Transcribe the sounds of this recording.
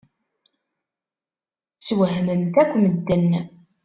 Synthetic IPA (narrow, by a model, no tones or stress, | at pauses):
t͡sːwəɦmənt̪ækʷːməd̪ːənː